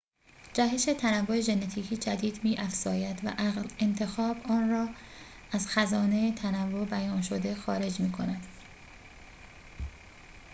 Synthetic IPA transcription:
d͡ʒæɦeʃe̞t̪ʰænævːo̞e̞ʒe̞nːet̪ʰiːcʰiːd͡ʒæd̪iːd̪miːʔæfz̥ɒːjæd̪væ̰ʔæɣle̞nt̪ʰe̞xɒːbɒːnrɒː | æzxæzɒːne̞et̪ʰænævːobæjɒːnʃo̞d̪e̞xɒːɾe̞d͡ʒmiːkʰo̞næd̪̥

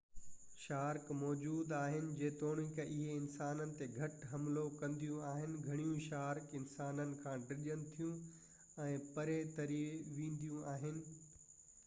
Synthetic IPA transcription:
ʃaːɾkmɔːd͡ʑuːd̪aːɦɪnɪ̆d͡ʑeːt̪oːɽ̃ikɐʔɪɦeɪnsaːnənɪ̆t̪eɡʱɐʈɦɐmlokɐ̃nd̪ijũaːɦɪnɪ̆ɡʱɐɽ̃ijũʃaːɾkɪnsaːnənɪ̆kʰãːɖɪʄənɪ̆t̪ʰijũ | ɛ̃ːpɐɾet̪ɐɾiʋĩːnd̪ijũaːɦɪnɪ̆

